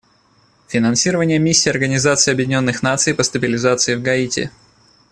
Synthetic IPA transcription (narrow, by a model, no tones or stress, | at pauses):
fʲɪnɐnsʲiɾəvənʲɪjəmʲisʲːiːɐrɡənʲɪzat̪sɨjɐbjɪdʲɪnʲo̞nːɨxnat̪sɨjpəst̪əbʲɪlʲɪzat̪sɨɪvɡɐitʲɪ̰